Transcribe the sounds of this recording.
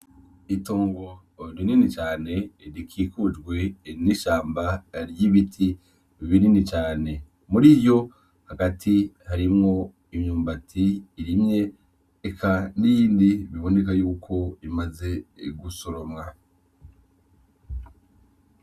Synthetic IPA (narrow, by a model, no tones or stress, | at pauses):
ito̞ːŋɡo̞ | ɾininit͡ʃaːne̞ɾikʰiːkud͡ʒɡwe̞niʃaːmbaɾjiβitʰi | βininit͡ʃaːne̞ | muɾiβjo̞ | haɡatʰihaɾimŋo̞ | imɲuːmbatʰiːɾimɲe̞ː | kʰaniːndiβiβo̞ne̞kajuːkʰo̞imaze̞ɡusoɾomŋa